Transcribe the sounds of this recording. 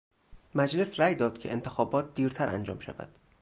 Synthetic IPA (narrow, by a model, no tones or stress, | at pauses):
mæd͡ʒlesræːjd̪ɒːd̪̚cʰe̞̰ent̪ʰexɒːbɒːt̪̚ʰd̪iːɾt̪ʰæɾʔæ̰nd͡ʒɒ̰ːmʃæ̰væ̰d̪̥